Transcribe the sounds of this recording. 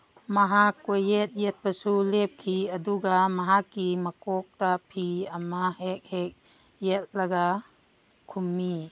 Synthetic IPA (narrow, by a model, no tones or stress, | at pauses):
mɐɦakːojet̪̚jet̪̚pɐsulep̚kʰiɐd̪uɡamɐɦakːimɐkɔk̚tapʰiɐmaɦek̚hek̚ | jet̪̚lɐɡa | kʰumːi